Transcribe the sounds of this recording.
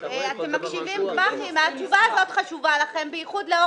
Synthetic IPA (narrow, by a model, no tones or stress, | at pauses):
eat̪emːakʃivimɡmaχimaat͡ʃuvaːzo̞tχaʃuvalaχe̞mbeiχudleo